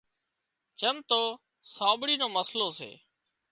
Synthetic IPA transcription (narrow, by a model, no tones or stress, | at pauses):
t͡ʃəmt̪oː | saːɓɽiːnoːməsloːsḛː